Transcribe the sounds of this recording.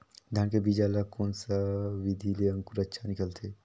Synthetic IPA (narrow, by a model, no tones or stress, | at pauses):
d̪ʱjaːnkebiːd͡ʒalakoːnsaʋɪd̪ʱileə̃ŋkuɾɐtːʃʰanɪkəlt̪ʰeː